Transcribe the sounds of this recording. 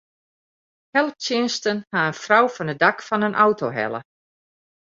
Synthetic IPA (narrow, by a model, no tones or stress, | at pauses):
hɛlˠəp̚tɪənstənhaənfrawfɔnədakfɔnənʔawtʰoɦɛ̰lˠə̰